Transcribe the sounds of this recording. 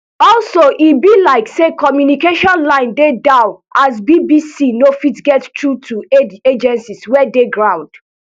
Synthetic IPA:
ɔlsoʔibilaɪksekɔmjunikeʃɔ̃nlãɪ̃ndedaʊʔasbibisinofitɡɛttɹutʰueed͡ʒɛ̃nsiswɛdeɡɹãʊ̃nd̥

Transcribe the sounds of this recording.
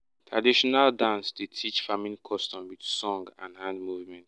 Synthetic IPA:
tʰɹadiʃɔnaldãnsdetʰit͡ʃfamĩnkʰɔstɔ̃mwidsɔ̃ŋɡã̰nhãndmuvmɛ̃nt

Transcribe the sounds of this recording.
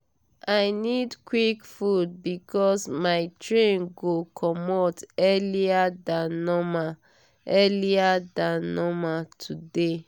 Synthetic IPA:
aɪnidkwikfud̚bikɔsmaɪtɹẽnɡokʰɔmotɛliadãnɔma | ɛliadãnɔmatʰude

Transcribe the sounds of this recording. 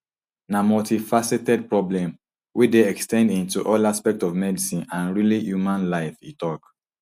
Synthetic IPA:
namɔtifasetɛd̚pɹɔblɛ̃m | wideɛkstʰɛ̃ndĩntuʔɔlaspɛk̚tɔvmɛdisĩnãnɹilijumãnlaɪfḭtɔk

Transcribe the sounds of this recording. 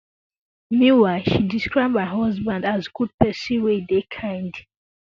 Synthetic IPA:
mĩnwaɪʃidiskɹaɪbaɦɔzbãndazɡud̚pɛsiwedekʰãɪ̃nd

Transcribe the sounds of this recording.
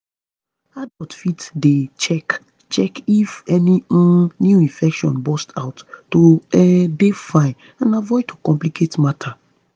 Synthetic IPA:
adɔltfitdet͡ʃɛk | t͡ʃɛkifɛniɔ̃njuĩnfɛkʃɔ̃nbɔstʰaʊtːoɛdefãɪ̃n | ãnavɔɪdtʰokɔ̃mplikʰetmatʰa

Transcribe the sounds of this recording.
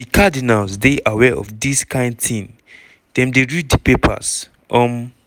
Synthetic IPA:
ikʰadinalzdeʔawɛʔɔ̰fdiskʰãɪ̃ndθĩn | dɛ̃mdeɹid̚dipepʰa̰z | ʔɔ̃m

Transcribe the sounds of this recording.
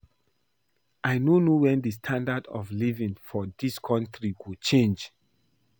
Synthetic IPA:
ʔaɪnonowɛ̃ndis̬tʰãndadɔ̰vlivĩŋfɔdiskʰɔ̃ntɹikut͡ʃẽnd͡ʒ

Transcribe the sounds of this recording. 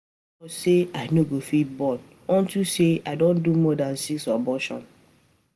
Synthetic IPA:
ɔseaɪnoɡofit̚bɔ̃n | ɔ̃ntuseaɪdõndumɔdãnsiksabɔʃɔ̰̃n

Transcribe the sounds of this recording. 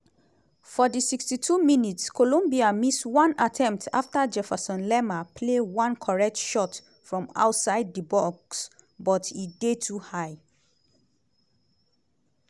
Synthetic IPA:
fɔdisikstitʰuminitskʰolõmbiamiswɔ̃natʰɛ̃mptʰa̰ftad͡ʒɛfasɔ̃nlɛmapʰlewɔ̃nkʰɔɹɛk̚tʃɔt | fɹɔ̃ma̰ʊtsaɪd̚dibɔksbɔtidetʰuhaɪ

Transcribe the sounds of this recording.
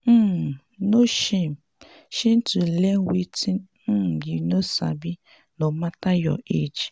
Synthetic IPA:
m̩ | noʃem | ʃin̩tulɛwitin | m̩jinosa̰bi | nomatajɔ̰ed͡ʒ

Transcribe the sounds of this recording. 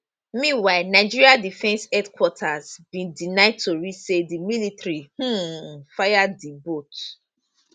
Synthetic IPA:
mĩnwaɪnaɪd͡ʒiɹiadifɛ̃nsɛdkwɔtʰazbĩndinaɪd̚tʰoɹisedimilitɹih̩fajadibot

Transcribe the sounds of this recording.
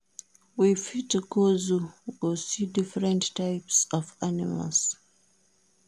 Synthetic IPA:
wifitkozuosidifɹɛ̃ntːajpsɔvanḭma̰ls

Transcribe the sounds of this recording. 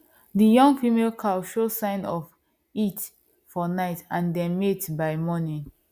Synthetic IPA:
dijɔ̃ŋɡfimelkʰaʃosãɪ̃nɔf | it | fɔnaɪtãndɛ̃nmetbaɪmɔnĩn

